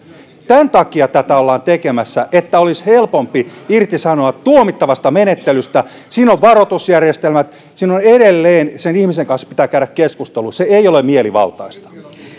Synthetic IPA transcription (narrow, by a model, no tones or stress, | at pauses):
t̪ænt̪ɑkiɑt̪æt̪æolːɑːnt̪ekemæsːæʔet̪ːæolishelpompiirt̪isɑnoɑtt̪uomit̪ːɑʋɑst̪ɑmenet̪ːelyst̪æ | siːnoʋʋɑrot̪usjærjest̪elmæt̪ | siːnoneɾelːeːnsenihmiseŋkɑnspit̪æːkæyɾækkeskust̪eluseeijolemmieliʋɑ̰lt̪ɑist̪ɑ̥